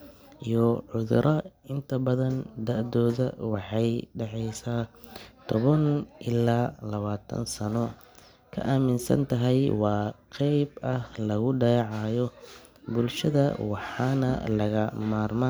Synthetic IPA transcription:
ijɔʕʊðʊɾʔɐɪnt̪ʰɐbɐðɐnd̪ɐʔd̪ɔːðɐ̰wɑħɑjɖɑʕɛjsaːt̪ʰɔβɐnʔɪlaːlɐβaːt̪ʰɐ̰nsɐnɔ | kʰɐ̰ʔaːmɪnsɐ̰nt̪ʰɐɦɛjwɑːqɛjbɐhlɐɣʊɖɑjʕɑːjɔ | bʊlʃɐðɐ̰wɑħɑːnɐ̰lɐɣɐmaːrmaː

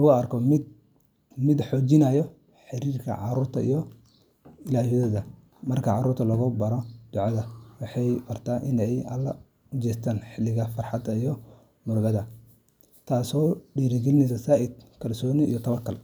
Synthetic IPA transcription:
lɐɣʊɐrkʰɔmɪd̪ | mɪd̪ħɔːt͡ʃɪnɐjɔ | ħɪɾiːrkʰɐ̰ʕɑ̰ɾuːrt̪ʰɐ̰ḭjɔ | ɪlaːɦhɪðɐðɐ | mɐrkʰɐʕɑɾuːrt̪ʰɐlɐɣʊbɐɾɔd̪̥ʊʕɑðɐwɑħɑjbɐrt̪ʰaːʔɪnɛjɐlːɐ | ʊt͡ʃɛːst̪ʰaːnħɪlːɪɣɐfɐrħɑd̪ɐijɔ | mʊrbɐðɐ | t̪ʰaːsɔːɖiːɾɪɡɛlɪnɛjs̬ɐsaːʔɪd̪̚kʰɐlsɔːniḭjɔt̪ʰɐβɐkʰɐl

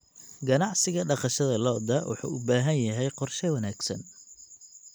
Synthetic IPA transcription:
ɡɐnɑʕsɪɣɐɖɑqɑʃɐðɐlɔːd̪ɐwʊ̰ħṵːʊbaːɦɐnjɐɦɛjqɔrʃɛwɐnaːɡsɐn

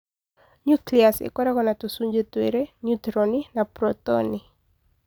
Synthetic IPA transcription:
ɲukliasɛ̰kwɔɾakɔnatusuɲd͡ʒɛtwɛɾɛnutɾɔninapɾɔtɔ̰ni

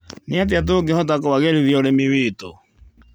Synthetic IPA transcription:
neat̬eat̬oɡehɔt̬akowaɣeɾiðioɾemiwiːto̰

